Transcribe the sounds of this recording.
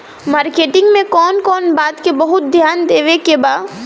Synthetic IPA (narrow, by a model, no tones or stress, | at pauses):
maːɾkeːʈɪ̃ŋɡmẽkɔːnkɔːnbaːt̪kebɐɦʊt̪̚d̪ʱjaːnd̪eːʋekebaː